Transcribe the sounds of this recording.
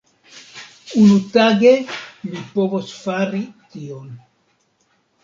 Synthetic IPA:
unutaɡe̞mipo̞vosfaɾition

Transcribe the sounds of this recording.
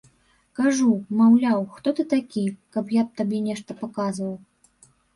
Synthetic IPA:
kaʐumawlʲawxt̪ɔt̪ɨt̪akʲikɐpjap̚t̪abʲɛnʲɛʂt̪ɐpakazvɐw

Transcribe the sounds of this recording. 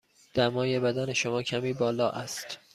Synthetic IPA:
d̪̥æmɒːje̞bæd̪æne̞ʃomɒːcʰæmiːbɒːlɒːʔæst̪

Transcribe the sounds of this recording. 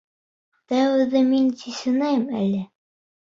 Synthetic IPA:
t̪æwɘ̆ðɘminsisɘ̆næjmæ̰lʲɘ

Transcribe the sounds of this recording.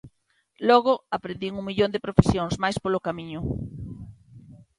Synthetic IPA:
lɔɣʊapɾẽnd̪iŋuŋmiʎõnd̪epɾofesjoŋsmajspolokamĩɲʊ

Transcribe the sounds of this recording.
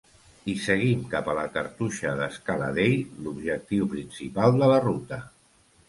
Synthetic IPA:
isəɣ̞imkapələkəɾt̪uʃəðəskalə̰ðejlubʒək̚t̪iwpɾinsipalˠd̪ələrut̪ə

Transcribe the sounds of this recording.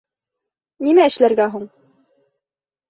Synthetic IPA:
nimæɘ̆ʃlæɾɡæɦuɴ

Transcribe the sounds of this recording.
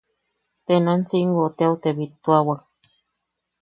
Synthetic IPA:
t̪enansiŋɡot̪eawt̪eβit̪uawak̚

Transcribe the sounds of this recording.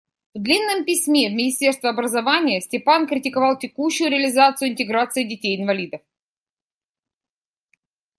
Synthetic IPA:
vd̪lʲinːɨmpʲɪsʲmʲe̞vmʲɪnʲɪsʲtʲe̞rst̪vʲɪɐbɾəzɐvanʲɪjəsʲtʲɪpankɾʲɪtʲɪkɐvɑlˠtʲɪkuɕːʊjʊɾʲɪəlʲɪzat̪sɨjʊɪnʲt̪ʲɪɡɾat̪sɨɪdʲɪtʲejɪnvɐlʲid̪əf

